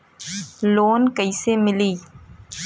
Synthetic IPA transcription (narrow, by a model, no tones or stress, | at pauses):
loːnkəisemɪliː